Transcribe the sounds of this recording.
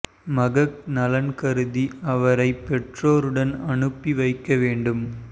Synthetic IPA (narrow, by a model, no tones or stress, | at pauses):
mɐɣɐknɐlɐnkɐɾɯðiɐʋɐɾɐɪpːɛʈroːɾɯɽɐnɐɳɯpːiʋɐɪkːɐʋeːɳɖɯm